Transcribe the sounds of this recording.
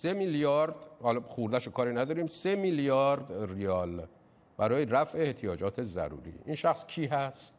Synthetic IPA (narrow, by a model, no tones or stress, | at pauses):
se̞miljɒːɾd̪hɒlɒχuɾd̪æʃokʰɒːɾiːnæd̪ɒːɾiːmse̞miljɒːɾd̪rijɒːl | bæɾɒːjeɾæfʔeːht̪ʰijɒːd͡ʒɒːt̪ʰe̞zæ̰ɾṵːɾḭːʔinʃæxscʰiːɦæst̪